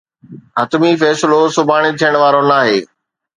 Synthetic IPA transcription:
ɦɐt̪mifɛːsɪlosʊbʱaːɽ̃it̪ʰijəɽ̃ʋaːɾonaːɦeː

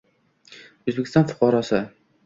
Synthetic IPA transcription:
ɵzbekʰʲɪ̥st̪ɑnfʊ̥qʰɑɾɒsɨ

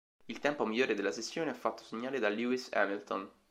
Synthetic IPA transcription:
ilt̪ɛmpomiʎːoːɾed̪elːasesːjoːneafːat̪ːo̥seɲːaːled̪aluisɛ̰milt̪on

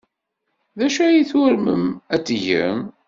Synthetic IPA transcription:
ðæʃæjiθʊɾmə̰mæt͡sːʝə̰m

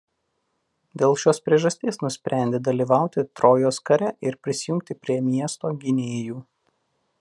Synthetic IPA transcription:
d̪ʲeːlˠʃʲoːspʲɾʲiɛʒɐsʲt̪ʲeːsnʊsʲpʲɾʲæˑnʲd̪ʲeːd̪ɐlʲiːʋɑˑʊt̪ʲɪt̪ɾoːjoːskɐɾʲɛʔɪɾpʲɾʲɪsʲɪjʊŋk̚ʲt̪ʲɪpʲɾʲiɛmʲiɛst̪oːɡʲɪnʲeːjuː

